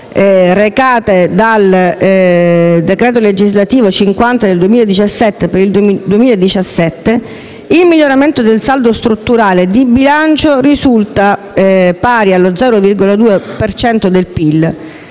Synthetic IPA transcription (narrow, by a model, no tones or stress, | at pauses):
rekaːt̪ed̪al | d̪ekɾeːt̪oled͡ʒizlat̪iːvot͡ʃiŋkwant̪ad̪eld̪uwemiled̪it͡ʃasːɛt̪ːepeɾild̪d̪wemiːlaed̪ːit͡ʃasːɛt̪ːe | ilmiʎːoɾament̪od̪elsald̪ost̪ɾut̪ːuɾaːled̪ibilant͡ʃorizult̪a | paːɾialːod̪zɛːɾovirɡolad̪uːepert͡ʃɛnt̪od̪elpilː